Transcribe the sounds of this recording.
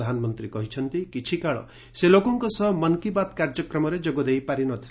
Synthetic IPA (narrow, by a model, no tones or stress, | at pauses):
d̪ʱanɔmɔnt̪ɾikɔɦit͡ʃʰɔnt̪ikit͡ʃʰikaɭɔ̰ | selokɔŋkɔsɔɦmʌnkibat̪kaɾd͡ʒɔkɾɔmɔɾed͡ʒoɡɔd̪ejpaɾinɔt̪ʰil